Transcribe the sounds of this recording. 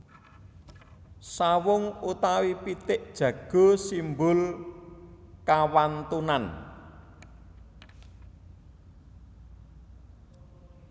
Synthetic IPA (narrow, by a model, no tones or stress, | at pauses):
sawʊŋut̪awipit̪ɪʔd̥ʒ̥ä̤ɡ̥o̤simbʊl | kawant̪unan